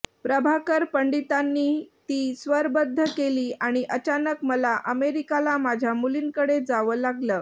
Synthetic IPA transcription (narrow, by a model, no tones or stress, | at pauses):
pɾəbʱakəɾpəɳɖit̪anːiːt̪iːsʋəɾbəd̪ʱːəkeliːaɽ̃iʔət͡ɕanəkməlaʔəmeɾikalamad͡ʑʱjamuliːnkəɽed͡zaʋəːlaɡləː